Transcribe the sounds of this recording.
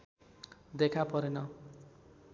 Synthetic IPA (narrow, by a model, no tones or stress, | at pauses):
d̪ekʰapʌɾenʌ